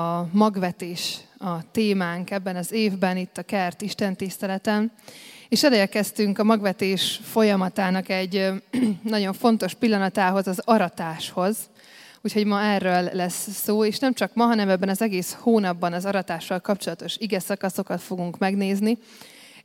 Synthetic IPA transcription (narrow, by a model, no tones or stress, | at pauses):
ɒmɒɡvɛt̪eːʃɒt̪eːmaːŋkɛbːɛnɒzeːvbɛnit̪ːɒkɛrt̪iʃt̪ɛnt̪ist̪ɛlɛt̪ɛneːʃɛlɛɛkɛst̪yŋkɒmɒɡvɛt̪eːʃfo̞jɒmɒt̪aːnɒkɛɟːnɒɟo̞ɱfo̞nt̪o̞ʃpilːɒnɒt̪aːɦo̞zɒzɒɾɒt̪aːʃho̞z | uːcʰho̞ɟmɒɛrːølːɛsːoːeːʃnɛmt͡ʃɒkmɒɦɒnɛmɛbːɛnɒzɛɡeːshoːnɒbːɒnɒzɒɾɒt̪aːʃːɒlkɒpt͡ʃolɒt̪o̞ʃiɡɛsɒkɒso̞kɒt̪fo̞ɡuŋkmɛɡneːzni